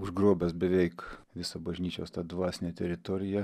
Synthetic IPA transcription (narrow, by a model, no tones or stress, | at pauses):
ʊʒɡɾuɔbʲɛsbʲɛʋʲɛɪkʋʲɪsobɐʒʲnʲiːt͡ʃʲoːst̪ɑd̪ʋɑːsʲnʲeːt̪ʲɛɾʲɪt̪ɔɾʲɪjɛ